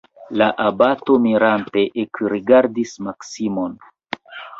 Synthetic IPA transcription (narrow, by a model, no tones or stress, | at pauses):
laʔabato̞miɾante̞ʔekɾiɡaɾdismaksimo̞n